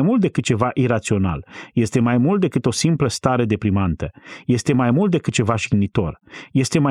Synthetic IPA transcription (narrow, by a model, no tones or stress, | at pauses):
jmult̪d̪e̞kɨt̪̚t͡ʃe̞vaʔiɾat̪sio̞na̰lje̞st̪e̞majmult̪̚d̪e̞kɨt̪o̞simpləst̪aɾe̞d̪e̞pɾimant̪əje̞st̪e̞majmult̪̚d̪e̞kɨt̪̚t͡ʃe̞vaʃiɡnit̪o̞rje̞st̪e̞ma